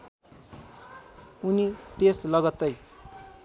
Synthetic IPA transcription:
unit̪eslʌɡʌt̪ːʌj

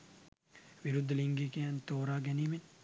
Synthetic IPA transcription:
ʋiɾud̪ːɐliŋɡiːkejant̪oːɾaːɡɛniːmen

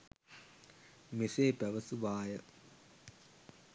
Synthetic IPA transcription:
meseːpæʋəsuʋaːjə

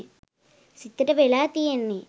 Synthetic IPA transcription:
sit̪ːɐɾɐʋelaːt̪ijenːi

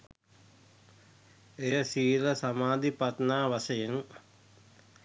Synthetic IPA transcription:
ejəsiːɾəsamaːd̪ipat̪naːʋasəjeŋ

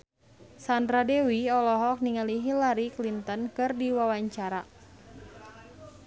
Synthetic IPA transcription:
sandɾadewiɔlɔɦɔk̚niŋaliɦilaɾiklint̪ənkɨrdiwawaɲt͡ʃaɾa

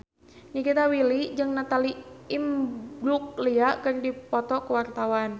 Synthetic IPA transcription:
ɲikit̪awilid͡ʒɨŋnat̪aliimbluk̚liaʔkɨrdipɔt̪ɔkəwart̪awan

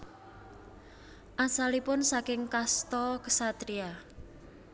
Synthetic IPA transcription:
ʔasalipʊnsakɪŋkast̪ɔkə̥sat̪ɾia

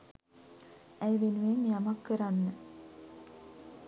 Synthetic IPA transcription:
æjʋenueŋjamakːəɾanːə

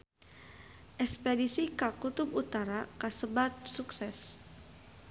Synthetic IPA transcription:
ʔɛkspedisikakut̪ubut̪aɾakasəbat̪̚suksɛs

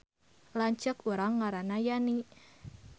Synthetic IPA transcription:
laɲt͡ʃəkuɾaŋːaɾanajani

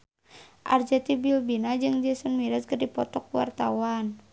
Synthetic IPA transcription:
ʔa̰rd͡ʒɛt̪ibilbinad͡ʒɨŋd͡ʒɛsunmiɾaskərdipɔt̪ɔk̚uwa̰rt̪awan

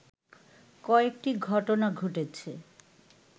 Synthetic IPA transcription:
kɔek̚ʈiɡʱɔʈonaɡʱoʈet͡ɕʰe

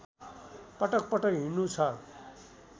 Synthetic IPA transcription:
pʌʈʌk̚pʌʈʌkɦinːũt͡sʰʌ

